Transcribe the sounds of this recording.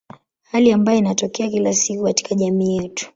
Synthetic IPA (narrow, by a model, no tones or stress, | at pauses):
haliambajɔinatɔkɛakilasikukati̥kaʄamiːjɛtu̥